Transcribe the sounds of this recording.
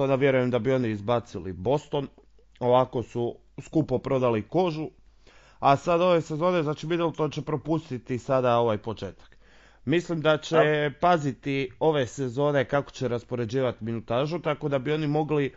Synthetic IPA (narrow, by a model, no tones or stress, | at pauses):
ond̪aʋje̞ɾujemd̪abio̞niːzbat̪silḭbo̞st̪o̞n | o̞ʋako̞su | skupopɾo̞d̪aliko̞ʒu | asad̪o̞ʋe̞se̞zo̞ːneznaːt͡ʃimid̪elt̪ot͡ɕe̞pɾo̞pust̪it̪isad̪ao̞ʋajpo̞t͡ʃe̞ːt̪ḁk | mislimd̪at͡ɕepazit̪io̞ʋe̞se̞zo̞ːne̞kako̞̥t͡ɕeɾaspo̞ɾe̞d͡ʑiːʋat̪iminut̪aːʒut̪ako̞d̪abio̞nimo̞ɡli